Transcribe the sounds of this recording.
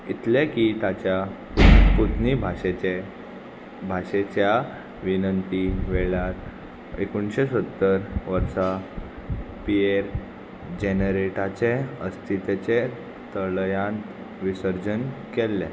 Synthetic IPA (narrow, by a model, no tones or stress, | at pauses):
it̪lɛkit̪at͡ɕja | put̪nibʱaee | bʱaɕet͡ɕja | ʋinənt̪iʋeɭjaɾ | ḛkuɳɕesət̪ːəɾʋəɾsa | pieɾ | d͡ʑenəɾeʈat͡ɕeəst̪ʰit̪et͡ɕe | t̪əɭjãnt̪ | ʋisəɾd͡ʑənkelːɛ̰̃